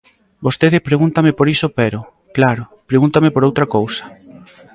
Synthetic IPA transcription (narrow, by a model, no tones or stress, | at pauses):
bost̪eðɪpɾeɣunt̪amepoɾisopeɾo | klaɾʊpɾeɣunt̪ɐmepoɾowt̪ɾɐkowsɐ̥